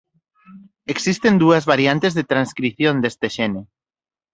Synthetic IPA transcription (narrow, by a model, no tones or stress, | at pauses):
eksist̪end̪uɐzβaɾjant̪ezðet̪ɾanskɾiθjõnd̪est̪eʃɛne